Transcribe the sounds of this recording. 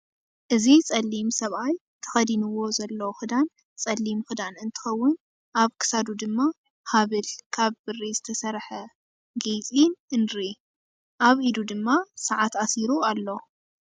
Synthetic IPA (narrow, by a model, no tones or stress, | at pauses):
ʔɨzit͡sʼɐlːimsɐβaj | t̪ʰɨ̥xɐd̪inɨwo̞zɐlːɐxɨd̪an | t͡sʼɐlːimxɨd̪anɨnt̪ʰɨ̥xɐwːʊn | ʔaβkʰɨ̥sad̪ud̪ɨmːa | haβɨlkʰaβbɨrizɨt̪ʰɐsɐɾħɐ | ɡejt͡sʼinɨnɾi | ʔaβʔid̪ud̪ɨmːasaʕat̪asiɾualːo̞